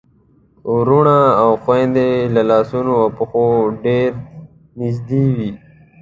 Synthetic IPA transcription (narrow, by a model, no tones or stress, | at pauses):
uɾuɳaːwxwẽnd̪elalɑːsunoawpəxoɖeɾ | nɪd͡ʒd̪iwi